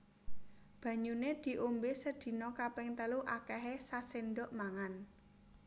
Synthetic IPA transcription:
b̥ä̤ɲuned̪̥i̤ʔombesəd̪̥i̤nɔkapɪŋt̪əluʔakɛɦesasɪnɖɔʔmaŋan

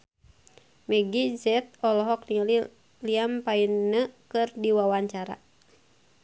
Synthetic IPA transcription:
mɛɡid͡ʒɛt̪̚ɔlɔɦɔk̚niali | liampainːəkɨrdiwawaɲt͡ʃaɾa̰

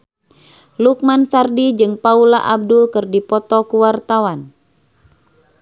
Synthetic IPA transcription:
luk̚mansardid͡ʒɨŋpaulaʔab̚dulkɨrdipɔt̪ɔkuwart̪awan

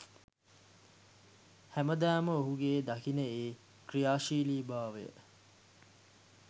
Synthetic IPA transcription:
hæməd̪æːməoɦuɡeːd̪akinəeː | krijaːʃiːliːbaːʋḛjə̰

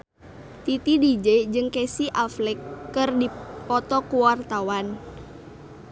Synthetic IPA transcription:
t̪it̪idid͡ʒed͡ʒɨŋkɛsiʔaflɛkːɨrdipɔt̪ɔkuwart̪awan

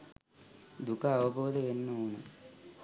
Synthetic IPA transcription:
d̪ukɐːʋɐboːd̪ɐʋenːɐunu

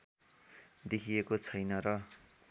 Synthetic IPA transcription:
d̪ekʰiekot͡sʰʌjnʌɾʌ

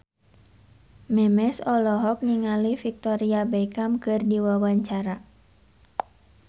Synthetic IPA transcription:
mɛmɛsɔlɔɦɔk̚niŋalifik̚t̪ɔɾiabɛkamkɨrdiwawaɲt͡ʃaɾa

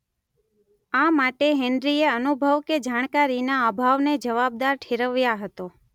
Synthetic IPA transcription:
amaʈeɦɛnd̪ɾieənubʱəʋked͡ʒaɳ̃kaɾinaəbʱaʋned͡ʒəʋab̚d̪aɾʈʰeɾəʋjaɦət̪o

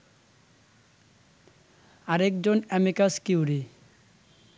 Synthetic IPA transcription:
aɾek̚d͡ʑonɛmikaskiwɾi

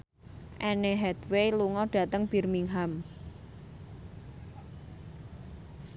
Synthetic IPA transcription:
ʔɛneɦɛd̪weluŋɔɖ̥a̤t̪əŋb̥i̤rmiŋɦam

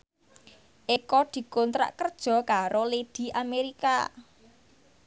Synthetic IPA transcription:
ʔekɔd̪̥i̤kont̪ɾa̰ʔkərd̥ʒ̥ɔ̤kaɾoled̪̥i̤ʔameɾika̰

